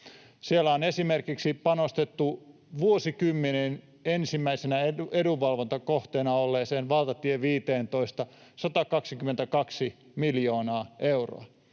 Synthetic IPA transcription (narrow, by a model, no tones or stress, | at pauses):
sielːæonesimerkiksipɑnost̪et̪ːu | ʋuosikymːenen | ensimːæisenæeueduʋɑlʋont̪ɑkoht̪eːnɑolːeːseːnʋɑlt̪ɑt̪ieʋiːt̪eːnt̪oist̪ɑsɑt̪ɑkɑksikyment̪ækɑksi | miljoːnɑːʔeuro̰ɑ